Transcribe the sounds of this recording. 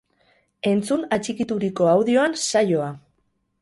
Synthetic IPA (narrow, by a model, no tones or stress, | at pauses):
e̞nt͡sunat͡ʃikit̪uɾiko̞awðio̞ansajo̞a